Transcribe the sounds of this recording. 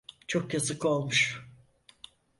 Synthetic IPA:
t͡ʃʰokjazɯko̞lˠmuʃ

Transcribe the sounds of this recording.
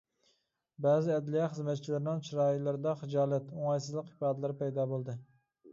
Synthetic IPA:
bæzɪɛd̪lijɑχəzmɛt̪̚t͡ʃʰilɪɾɪnɪŋt͡ʃʰiɾɑːilˠɪɾɪd̪ɑχɨd͡ʒɑːlˠɛt̪ʊŋɑjsɨzlˠɨqhɪ̥pɑːd̪lɪɾpɛjd̪ɑbolˠd̪ɪ

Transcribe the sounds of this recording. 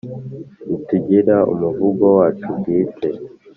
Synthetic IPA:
itiɟiɾaṵmuvuɡowaːt͡ʃubɡiːte

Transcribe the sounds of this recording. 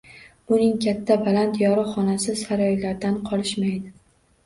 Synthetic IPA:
bʊnɪŋkʲʰat̪ʰːabalant̪jɒɾɪχɒnasɪsaɾɒjlaɾd̪anqʰɒlˠɪʃmajd̪ɪ

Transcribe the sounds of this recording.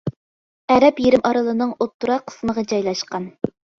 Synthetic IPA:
ɛɾɛpjeɾɪmʔɑɾɨlˠɨnɨŋot̪ːuɾɑqʰːə̥sməʁɑd͡ʒɑjlˠɑʃqɑn

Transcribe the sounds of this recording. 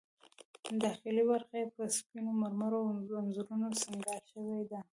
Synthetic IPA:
d̪ɑxilibaɾxajepəspinomaɾmaɾoanzuɾunosaŋɡɑʃəwed̪a

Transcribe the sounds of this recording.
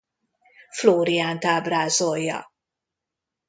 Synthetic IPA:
fluːɾiant̪abɾazɔjɐ̰

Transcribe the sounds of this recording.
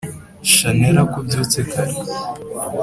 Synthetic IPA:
ʃaneɾakubjut͡sekaɾe

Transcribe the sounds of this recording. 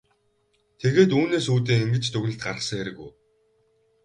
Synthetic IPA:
t̪ʰeɣeːt̪uːneːsuːt̪̬iːŋiŋɡɘ̆t͡ɕt̪ʰɵɣɘ̆ɮt̪̚ɢa̰rə̆χsə̃̆ŋeɾɘ̆ɣṵj

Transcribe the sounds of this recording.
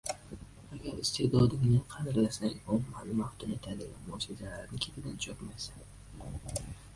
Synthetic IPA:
aɡʲaɾɪst̪ʰehd̪ɒd̪ɪŋnɪqʰɑd̪ɪɾlasaŋɒmmalɪmaht̪ʊnet̪ʰalɪamɒsizalaɾnɪkʲʰet̪ʰɪd̪ant͡ʃʰɒp̪majsan

